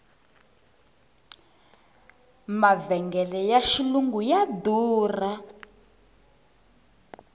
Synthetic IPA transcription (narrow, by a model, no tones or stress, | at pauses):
mavɛŋɡɛlɛjaʃiluŋɡujaduːra